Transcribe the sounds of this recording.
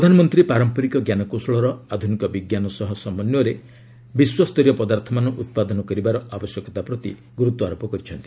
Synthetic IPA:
pɾɔd̪ʱanɔmɔnt̪ɾipaɾɔmpɔɾikɔɡjanɔkosɔɭɔɾɔad̪ʱunikɔbiɡjanɔsɔɦɔsɔmɔnjɔɾe | biswast̪ɔɾjɔpɔd̪aɾt̪ʰɔmanɔʔut̪̚pad̪ɔnɔkɔɾibaɾɔʔabɔsjɔkɔt̪apɾɔt̪ḭ | ɡuɾut̪ɔaɾopɔkɔɾit͡ʃʰɔnt̪i̥

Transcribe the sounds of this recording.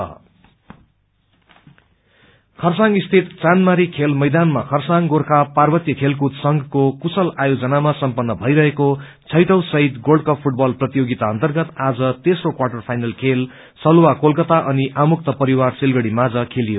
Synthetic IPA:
kʰʌrsaŋɡist̪ʰit̪t͡sanmaɾikʰelmʌjd̪anmakʰʌrsaŋɡorkʰaparbʌt̪jʌkʰelk̬ut̪sʌŋɡkokusʌlajod͡zʌnamasʌmpʌnːʌbʱʌjɾʌɦeko | t͡sʰʌjʈʌwsʌɦit̪ɡolɖkʌppʰuʈ̚bʌlprʌt̪ijoɡit̪aʌnt̪ʌrɡʌt̪ad͡zʌt̪esrokwarʈʌrpʰajnʌlkʰel | sʌlwakolkʌt̪aʔʌniʔamuk̚t̪ʌpʌɾiwarsilɡʌɽimad͡zʌkʰelijo

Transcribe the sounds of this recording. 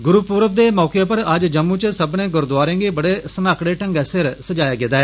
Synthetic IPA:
ɡʊɾuːpuːɾəb̚d̪eːmɔːkeːpəɾəd͡ʒd͡ʒəmːuːt͡ʃəsəbnẽːɡʊɾd̪ʊwaːɾẽːɡeːbəɽeːsənaːkɽeːʈə̃ŋɡɛːsɪɾsəd͡ʒaːjaːɡɪd̪aːɦɛː

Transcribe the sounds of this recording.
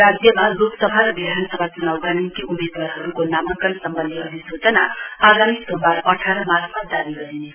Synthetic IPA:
rad͡zjʌmaloksʌbʱaɾʌbidʱansʌbʱat͡sunawɡanikiʔumed̪warɦʌɾukonamʌŋkʌlsʌmbʌnd̪ʱiʌbʱisot͡sʌnaaɡamisombarʌʈʰaɾʌmakʰmad̪abiɡʌɾine

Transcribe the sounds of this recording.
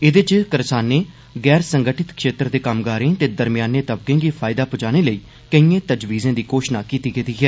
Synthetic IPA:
ɪd̪et͡ʃkəɾsaːnːeː | ɡɛːɾsəŋɡəʈɪt̪kʃeːt̪ɾəd̪eːkəmɡaːɾẽːt̪eːd̪əɾmɪjaːnːeːt̪əbkẽːɡiːpʰaːɪd̪aːpʊd͡ʒaːñeːləiː | kəĩːẽːt̪əd͡ʒʋiːzẽːd̪iːkoːʃnaːkiːt̪iːkiːt̪iːɦɛː

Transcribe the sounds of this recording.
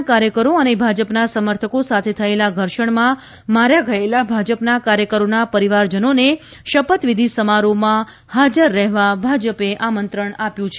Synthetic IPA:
kaɾjəkəɾoənebʱad͡ʒəpnasəməɾt̪ʰəkosat̪ʰet̪ʰəelaɡʱəɾʃəɳmã | maɾjaɡʱəelabʱad͡ʒəpnakaɾjəkəɾonapəɾiʋaɾd͡ʒənone | ʃəpət̪ʋid̪ʱisəmaɾomã | had͡ʒəɾːɛɦʋabʱad͡ʒəpeʔamənt̪ɾəɳapjũt͡ʃʰ

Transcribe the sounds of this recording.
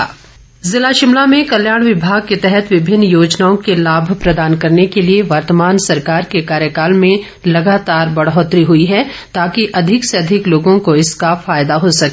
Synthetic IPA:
zɪlaʃɪmlamẽkɐljaːɽ̃ʋɪbʱaːɡ̚ket̪ɛɦɛt̪ʋɪbʱɪnːjoːd͡ʒnaːõkelaːbʱpɾɐd̪aːnkɐɾnekelieʋɐɾt̪əmaːnsɐɾkaːɾkekaːɾjəkaːlmẽ | lɐɡaːt̪aːɾbɐɽɦɔːt̪ɾiɦʊiɦɛt̪aːkiʔɐd̪ʱɪkseɐd̪ʱɪkloːɡõkoɪskafaːjd̪aɦosɐkː

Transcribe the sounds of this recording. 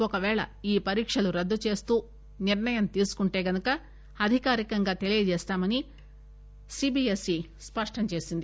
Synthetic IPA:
ɔkɐʋɛːɭɐ̰iːpɐɾiːkʂɐluɾɐd̪ːut͡ʃe̞ːst̪uː | niɾɳɐjɐmt̪iːsu̥kuɳʈe̞ːɡɐnukɐ | ɐd̪ʱikaːɾikɐŋɡaːt̪e̞lijɐd͡ʒɛːst̪aːmɐni | siːbiːesi | spɐʂʈɐmt͡ʃe̞ːsind̪i

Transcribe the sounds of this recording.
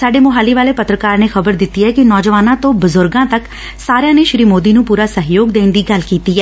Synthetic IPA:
saːɖeːmʊɦaːliːʋaːleːpət̪ɾəkaːɾneːxəbəɾd̪ɪt̪ːiːɦɛːkɪnɔːd͡ʒəʋaːnãːt̪õːbəzʊɾɡãːt̪ək | saːɾejãːneːʃɾiːmoːd̪iːnũːpuːɾaːsəɦjoːɡd̪eːnd̪iːɡɐlkiːt̪iːɛː

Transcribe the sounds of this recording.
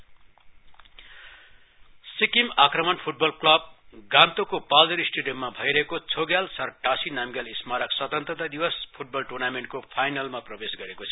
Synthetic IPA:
sikimakrʌmʌnpʰuʈ̚bʌlklʌb̚ɡant̪okopad̪ʌɾisʈeɖijʌmːabʱʌjɾʌɦekot͡sʰoɡjalsʌrʈasinamɡjalismaɾʌkswʌt̪ʌnt̪rʌt̪rʌd̪iwʌspʰuʈ̚bʌlʈurnameɳʈ̚kopʰajnalmaprʌbesɡʌɾekot͡sʰʌ̥

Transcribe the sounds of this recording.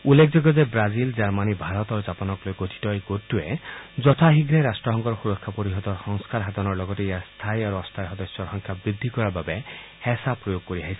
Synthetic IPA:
ulːekʰd͡ʒɔɡɔd̪ebɾazild͡ʒaɾmanibʱaɾɔt̪ɔɾud͡ʒapɔnɔklojɡotʰi̥tɔjɡot̪ːued͡ʒɔtʰaɦiɡɾeɾasʈɾɔɦɔŋkɔɾxuɾɔkʰːapoɾiɦɔd̪ɔxɔŋskaɾɦad̪ɔnɔɾlɔɡɔtejast̪ʰajaɾuɔst̪ʰajɦɔd̪ɔsjɔɾɦɔŋkʰjabɾid̪ʱːikɔɾababe | hɛsapɾɔjoɡ̚koɾiaɦisi̥

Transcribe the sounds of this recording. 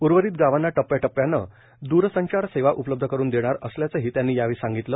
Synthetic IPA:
uɾʋəɾiːt̪̚ɡaʋanːaʈəpːjaʈəpːjanːə | d̪uɾsəɲt͡ɕaɾseʋaʔupələbd̪ʱəkəɾuːnd̪eɽ̃aɾəsljat͡səːɦiːt̪janːiːjaʋiːsãŋɡit̪lə

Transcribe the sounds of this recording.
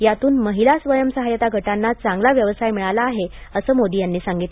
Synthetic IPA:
jat̪uːnməɦilasʋəjəmsəɦajət̪aɡʱəʈanːat͡sãŋɡlaʋjəʋəsajmiɭalaːɦeəsəːmod̪ijanːiːsãŋɡit̪l

